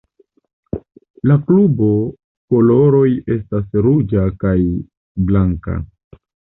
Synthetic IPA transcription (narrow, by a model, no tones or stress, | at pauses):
laklubo̞ | ko̞lo̞ɾo̞je̞stasɾud͡ʒakaj | blaŋka̰